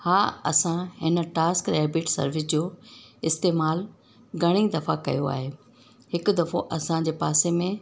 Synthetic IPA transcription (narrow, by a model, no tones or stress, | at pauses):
haːɐ̰sãɦɪnə̆ʈaːskɾeːbɪʈsɐ̰ɾʋɪs̬d͡ʑoːɪst̪eːmaːl | ɡʱɐɽ̃id̪ɐfakɐ̰joa̰ːɦeː | ɦɪkʊ̆d̪ɐfoʔɐsãd͡ʑeːpaːsemẽ